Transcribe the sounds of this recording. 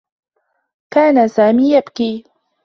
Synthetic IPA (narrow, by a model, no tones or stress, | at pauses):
kaːnasaːmiːjabkiː